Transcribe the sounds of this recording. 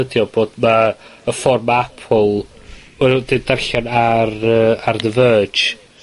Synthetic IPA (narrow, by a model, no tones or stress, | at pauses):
ədjɔb̥oːdmaəfɔrmaapʰɔlˠ | ɛɾdɪdɛrɬjanarəarðəvə̥ːd͡ʒ